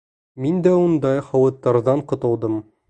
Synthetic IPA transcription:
mind̪æund̪ɑjχɒwɤ̆t̪ːɑɾðɑɴqŏt̪ɤ̆lˠd̪ɤm

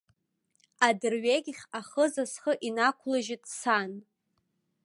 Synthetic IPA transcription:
adɨrɥeɡʲχʲaχəzasχəʔinakʷʰlaʒɪtʼsan

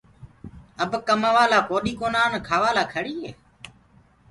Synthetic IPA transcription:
əbkəmaʋaːlaːpoːɗiːkoːnaːnkʰaːʋaːlaːkʰəɽiːɦeː

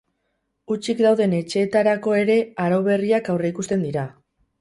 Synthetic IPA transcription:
ut͡ʃikd̪awðe̞ne̞t͡ʃe̞ːt̪aɾako̞e̞ɾe̞aɾawβ̞e̞riakawre̞ikust̪e̞nd̪iɾa

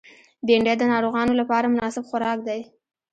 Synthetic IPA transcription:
b̪eɳɖed̪ənɑɾoɣɑnolapɑɾamʊnɑsɪbxʊɾɑk̚d̪aj

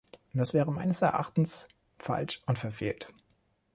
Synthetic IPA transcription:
d̥asv̥ɛːʁəmaɪnəsɛɐʔa̰χtn̩s | fa̰lʃʊntfɛɐfeːlt

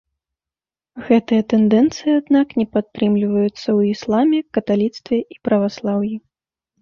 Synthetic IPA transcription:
ɣɛt̪ɨjɐt̪ɛnd̪ɛnt̪sɨjiad̪naknʲɛpat̪ːɾɨmlʲivɐjut̪sːɐwislˠamʲɛkɐt̪alʲit̪st̪vʲɛʔipɾɐvaslˠawji

